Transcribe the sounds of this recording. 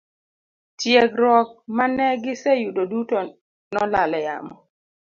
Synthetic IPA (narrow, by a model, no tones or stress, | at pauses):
tjeɡɾɔk̚manɛɡɪsɛjudoduto | nɔlalɛja̰mɔ